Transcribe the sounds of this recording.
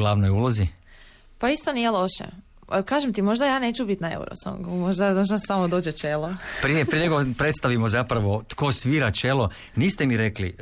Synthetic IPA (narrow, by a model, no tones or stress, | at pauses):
ɡlˠaʋnojulˠozi | paist̪onijelˠo̞ʃḛ | kaːʒemt̪imo̞ʒd̪ajaːne̞ːt͡ʃubit̪naḛṵɾo̰so̰ŋɡumoʒd̪anoʃ̬nassamod̪oːd͡ʑet͡ʃelopɾijepɾieɲeɡopɾet̪st̪aʋimozapɾaʋo̞t̪kosʋiːɾat͡ʃelˠo̞ | niːst̪emiɾekli